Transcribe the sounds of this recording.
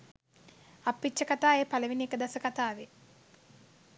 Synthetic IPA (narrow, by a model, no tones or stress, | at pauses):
apːitt͡ʃːəkat̪aːeːpaləʋiniekəd̪asəkat̪aːʋe